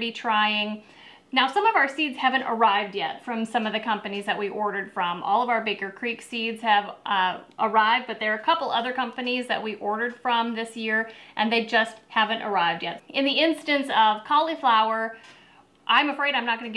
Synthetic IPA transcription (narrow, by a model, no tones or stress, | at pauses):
bitʰɹ̥aɪɪ̃ŋ | naʊsʌ̃mʌvaʊə˞sidz̥hævɨ̃ntə̰˞aɪvdjɛtfɹʌ̃msʌ̃mʌvðɨkʰʌ̃mpɨnizðɨʔ̚wiʔɔɹɾə˞d̥fɹʌ̃mʔɔ̰lˠʌvaʊə˞bɪɡə˞kʰɹ̥iksidz̥hɨvʔə˞aɪvd̚bʌt̪̚ðə˞ːkʰʌpl̩ˠʌðə˞kʰʌ̃mpɨnizðɨ̰ʔ̚wiʔɔɹɾə˞d̥fɹʌ̃mðɪsjɪɹʔɨ̃nðeɪd͡ʒʌst̚hævɨ̃ntə̰˞aɪvdjɛtɨ̃nðiɪ̃nstɨ̃nsʌv̥kʰɑlˠiflaʊə˞ | ʔãɪ̃məfɹeɪɾãɪ̃mnət̚ɡ̥ʌ̃nɨɡ